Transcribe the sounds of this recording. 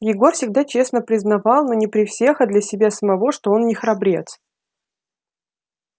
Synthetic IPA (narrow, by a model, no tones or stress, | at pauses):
jɪɡo̞rfsʲɪɡd̪at͡ɕe̞snəpɾʲɪznɐvɑlˠno̞nʲɪpɾʲɪfsʲe̞xad̪lʲɐsʲɪbʲasəmɐvo̞ʂt̪o̞o̞nnʲɪxɾɐbɾʲe̞t̪s